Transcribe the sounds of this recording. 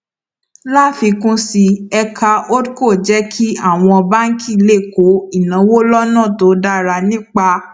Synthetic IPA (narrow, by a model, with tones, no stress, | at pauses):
la˦fi˧kũ˦si˧ɛ˧kʰa˧o˦dko˦˨d͡ʒɛ˦kʰi˦a˦˨w̃ɔ̃˧ɔ˧ba˦ŋ̩˦kʰi˦˨le˦˨ko˨˦i˦˨nã˨˦wo˦lɔ˦nã˦˨to˨˦da˦˨ɾa˧nĩ˦k͡pa˧